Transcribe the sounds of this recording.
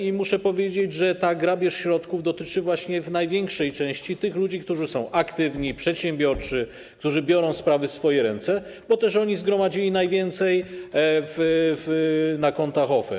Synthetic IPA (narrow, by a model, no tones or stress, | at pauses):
imuʂɛpɔvʲjed͡ʑed͡ʑʐɛt̪aɡɾabʲjɛʂɕɾɔt̪kuvd̪ɔt̪ɘt͡ʂɘvwaɕɲɛvnajvʲjɛŋkʂɛjt͡ʂɛ̃w̃ɕt͡ɕit̪ɘxlud͡ʑikt̪uʐɘsɔ̃w̃ʔakt̪ɘvɲipʂɛt̪ɕɛmbʲjɔɾt͡ʂɘ | k̚t̪uʐɘbʲjɔɾɔ̃w̃spɾavɘsfɔjɛɾɛnt̪sɛ | bɔt̪ɛʂɔɲizɡɾɔmad͡ʑilʲinajvʲjɛnt̪sɛj | vvnakɔnt̪axɔfɛ̰